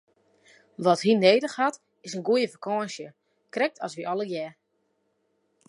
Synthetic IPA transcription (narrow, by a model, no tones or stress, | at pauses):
ʋɔtɦineːdəxhat | ɪsənɡujəfakʰɔːnʃjə | krɛk̚tʰɔsʋiʔɔləjɛ